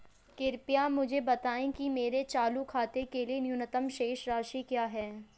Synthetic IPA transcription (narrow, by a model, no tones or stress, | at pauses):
kɪɾpijamʊd͡ʒʱebɐt̪aːẽkimeːɾet͡ʃaːlukʰaːt̪ekelienjʊnət̪əmʃeːʃɾaːʃikjaːɦɛː